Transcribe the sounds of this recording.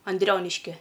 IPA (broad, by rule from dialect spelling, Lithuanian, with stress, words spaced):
ɐnʲˈdʲrʲoːnʲɪʃʲkʲiɛ